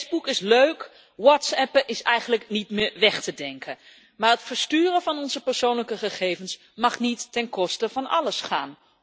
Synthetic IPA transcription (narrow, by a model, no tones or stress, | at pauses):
zbukɪsløɥk | wɔtsɛpəʔɪsɛjχənləknitmɪːɹʋɛχtədɛŋkʰə | maːɹətfəɹstyːrəvɑnɔnzəpəɹsownləkəχəχejvəns | mɑχnitːɛnkɔstəvɑnʔɑ̰ləsχa̰ːn